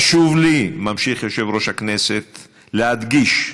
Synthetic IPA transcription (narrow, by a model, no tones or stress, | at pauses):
ʃuvlimamʃiχjoʃevʁo̞ʃhakneset̪ | lead̪ɡiʃ